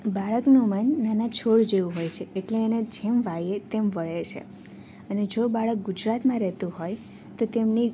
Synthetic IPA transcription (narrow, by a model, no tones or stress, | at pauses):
baɭəknũmənːanat͡ʃʰoɭd͡ʒeʋũɦojt͡ʃʰeːʈleːned͡ʒemʋaɭjet̪emʋəɭet͡ʃʰḛ | əned͡ʒobaɭək̚ɡud͡ʒɾat̪mãɾɛɦt̪ũɦoj | t̪ot̪emni